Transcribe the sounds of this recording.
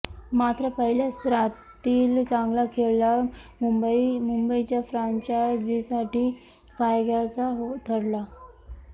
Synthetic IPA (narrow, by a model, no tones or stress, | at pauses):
mat̪ɾəpəɦiljast̪ɾa | t̪iːlt͡sãŋɡlakʰeɭlamubimumbəit͡ɕjafɾaɲt͡ɕad͡ʑisaʈiː | fajɡat͡saɦot̪ʰəɽla